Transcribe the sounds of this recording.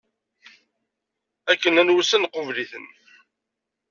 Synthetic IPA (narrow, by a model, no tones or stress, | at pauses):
ækːənænwusænqʊvliθən